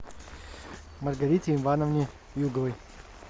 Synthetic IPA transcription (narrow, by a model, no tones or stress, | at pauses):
mɐrɡɐɾʲitʲɪinvanəvnʲɪ | juɡəvɨj